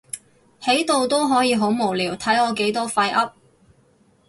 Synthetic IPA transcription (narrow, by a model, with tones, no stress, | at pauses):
he˨˥jt̪o˨˧wt̪o˥wɦɔː˨˥jiː˨˧ɦo˨˥wmo˨˩wliː˨˩wt̪ʰɐ˨˥jɔː˨˧ke˨˥jt̪ɔː˥fɐ˧jʔɐ˥p̚